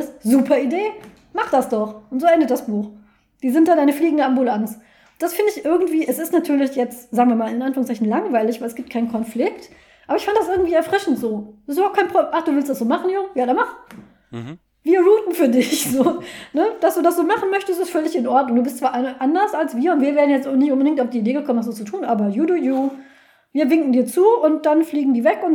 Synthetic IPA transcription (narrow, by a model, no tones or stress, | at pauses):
szuːpʰɐideː | maχd̥asd̥ɔχʊntz̥oːʔɛndətd̥asb̥uːx | d̥iːzɪntd̥aːdaɪnəfliːɡŋ̩dəambulans | nd̥asfɪndəɪçʔɪɐɡŋ̩tv̥iːʔɛsɪstnatʰyːɐlɪçjɛt͡stz̥aːɡŋviːɐmaːlɪnʔanfyːʁŋst͡saɪçn̩laŋvaɪlɪçvaɪlɛsɡ̥iːpt̚kʰaɪnkʰɔnflɪkt | ʔaːbɐɪçfandəd̥as̬ʔɪɐɡŋ̩tv̥iːɛɐfʁ̥ɪʃn̩tz̥oːsɪs̬tːybaʊp̚tkʰaɪnpʁoʔaχd̥uːvɪlstd̥asz̥oːmaχn̩jʊŋjaːdɛɐmaχ | viːɐʁuːtn̩fyːɐdɪçz̥oːnəd̥asd̥uːdasz̥oːmaχn̩mœçtəstɪstfœlɪçɪnʔɔɐtnʊŋduːbɪstt͡sv̥aːʔaʔandɐsalsv̥iːɐʊntv̥iːɐveːɐʁn̩jɛt͡stːnɪçtʔʊnbədɪŋktaʊfd̥iːideːɡəkʰɔmənaszoːt͡sutʰuːnʔaːbɐjuːduːjuː | viːɐvɪŋkŋ̩diːɐt͡suːʊnt̚d̥anfliːɡŋ̩diːvɛkʊn